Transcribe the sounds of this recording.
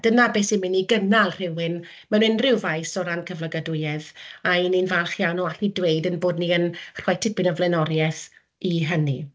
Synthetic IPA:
d̥ənabeːsimɪniɡənalˠr̥ɪwɨn | mɛnɪnrɪwvajsɔɾankʰəvləɡadʊjɛðaininvalˠχjawnɔaɬnidwejdənboːdniənr̥ɔjtʰɪpʰɪnəvlˠɛnɔɾjɛθ | iɦəni

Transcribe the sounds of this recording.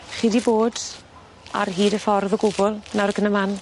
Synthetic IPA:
χiːdiboːd | a̰rɦiːdəfɔrðəɡʊbʊlˠnaɾəɡənəman

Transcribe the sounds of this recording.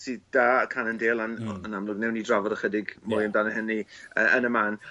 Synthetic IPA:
sid̥aːkʰanəndeːlˠanɔnamlˠʊɡnɛwniːdravɔdəχədɪɡmɔjəmdanəhɪniəʔənəmaːn

